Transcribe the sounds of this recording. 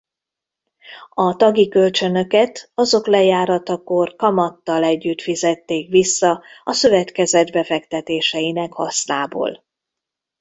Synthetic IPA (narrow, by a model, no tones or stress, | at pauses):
ɒt̪ɒɡikølt͡ʃø̞nø̞kɛt̪ɒzo̞klɛjaːɾɒt̪ɒkorkɒmɒt̪ːɒlɛɟːyt̪fizɛt̪ːeːkʋisːɒɒsøvɛt̪kɛzɛd̪bɛfɛkt̪ɛt̪eːʃɛjinɛkhɒ̰snaːbo̰ːl